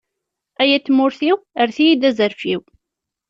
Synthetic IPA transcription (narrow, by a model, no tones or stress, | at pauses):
æjæt̪ːmʊɾθiwəɾθijid̪æzəɾfiw